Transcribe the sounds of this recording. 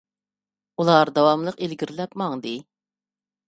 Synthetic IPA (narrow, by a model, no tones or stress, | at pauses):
ulˠɑɾd̪ɑwɑmlˠəqelɡʲiɾlɛpmɑŋd̪ɨ